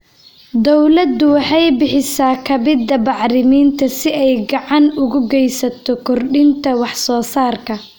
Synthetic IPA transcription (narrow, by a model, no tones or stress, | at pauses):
d̪ɔwlɐd̪ʊwɑħɑjbɪħɪsaːkʰɐbɪd̪ːɐbɑʕɾɪmiːnt̪ʰɐsɪɛjɡɑʕɑnʊɣʊɡɛjsɐt̪ʰɔkʰɔrɖɪnt̪ʰɐwɑħsɔːsaːrkʰɐ